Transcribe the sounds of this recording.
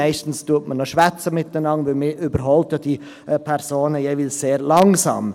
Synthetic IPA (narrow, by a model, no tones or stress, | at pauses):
ɛɪstn̩stuətmənoʃʋæt͡səmɪt̚d̥ɛnɑŋʋɪlmɪʔybəɾɦɔltəd̥i | pʰɛɾsoːnəjeːviːlsseːɾlɑŋsɑ̰ːm